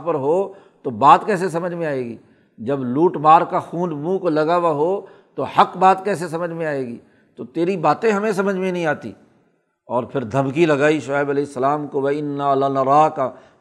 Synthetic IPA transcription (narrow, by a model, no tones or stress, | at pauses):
pəɾɦoːt̪obaːt̪kɛːs̬es̬ɐməd͡ʒʱmẽaːeːɡḭː | d͡ʒɐbluːʈmaːɾkaxũːnmũkolɐɡaʋaɦo | t̪ohɐkbaːt̪kɛːs̬es̬ɐməd͡ʒʱmẽaːeːɡḭː | t̪ot̪eːɾibaːt̪ẽɦɐmẽsɐməd͡ʒʱmẽnəɦĩaːt̪ḭː | ɔːɾpʰɪɾd̪ʱɐmkilɐɡaːiʃaːɪbɐlɛːɪsːəlaːmkoʋɐɪnːalanɐɾaːka